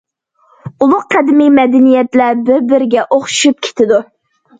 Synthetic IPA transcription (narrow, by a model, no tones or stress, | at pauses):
ulˠʊqqʰːɛd̪ɪmijmɛd̪ɪnijɛt̪læbɪɾbɪɾɪɡʲɛʔoχʃu̥ʃup̚kʲʰe̥t̪ʰɪd̪u